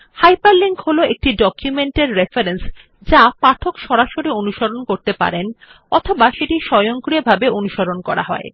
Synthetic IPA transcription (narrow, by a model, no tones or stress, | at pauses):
hajpaɾliŋkholoʔek̚ʈiɖɔkjumeɳʈeɾːefaɾens | d͡ʑapaʈʰokʃɔɾaʃoɾionuʃoɾonkoɾt̪epa̰ɾen | ɔ̰t̪ʰobaʃeʈiʃɔjoŋkɾiebʱabeonuʃoɾonkɔ̰ɾa̰ɦɔ̰e